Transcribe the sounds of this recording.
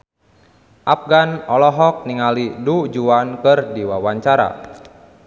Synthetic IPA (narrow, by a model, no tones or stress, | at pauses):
ʔap̚ɡanɔlɔɦɔk̚niŋalidud͡ʒuankɨrdiwawaɲt͡ʃaɾa̰